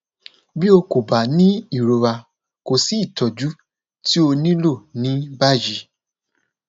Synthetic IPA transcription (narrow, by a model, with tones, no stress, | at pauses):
bi˦o˧ko˨ba˨nĩ˦i˦˨ɾo˨wa˧ | ko˨si˨˦i˦˨tʰɔ˨d͡ʒu˨˦ | ti˦o˧nĩ˦lo˦˨nĩ˨˦ba˦˨d͡ʒi˧˦